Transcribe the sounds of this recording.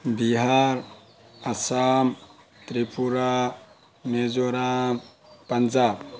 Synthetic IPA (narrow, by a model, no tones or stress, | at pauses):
biɦaɾ | asam | t̪ɾipuɾa | med͡ʒoɾam | pɐnd͡ʒab